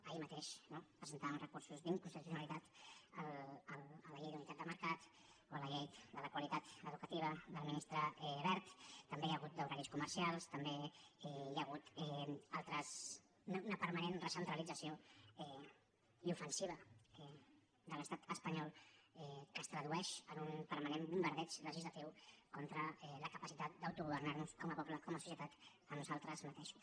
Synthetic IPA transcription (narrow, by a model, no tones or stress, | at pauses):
əimət̪eʃnopɾəzənt̪aβnrəkuɾsuzðiŋkunst̪it̪usjunalit̪at̪ələlələʎejðunit̪at̪d̪əməɾkat̪ | oələʎejd̪ələkwəlit̪at̪əðukət̪iβ̞əd̪əlˠminist̪ɾəɛβɛɾt̪ːəmbejəɣ̞ut̪̚d̪əwɾaɾiskuməɾsialˠst̪əmbeɛjaɣ̞ut̪ɛalˠt̪ɾəs | unəpəɾmanenrəsənt̪ɾəlid͡zəsioɛ | iufənsiβ̞əɛ | d̪ələst̪at̪əspəɲɔlˠɛkəst̪ɾəðuɛʃənunpəɾmanembumbəɾð̞ɛt͡ʃrəʒizlat̪iwkɔnt̪ɾəɛləkəpəsit̪at̪̚d̪awt̪uɣuβəɾnaɾnuskɔməpɔpləkɔməsusjət̪at̪ | əmnuzalˠt̪ɾəzmət̪eʃu̥s